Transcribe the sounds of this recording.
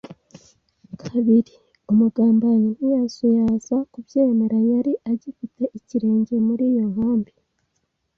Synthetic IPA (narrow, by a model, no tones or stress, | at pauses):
kʰaβiɾi | umuɡaːmbajinujasujazakubjeːmeɾajaɾiʔaɟifitʰe̞ʔiciɾe̞ːɲɟe̞muɾiːjo̞ɦaːmbi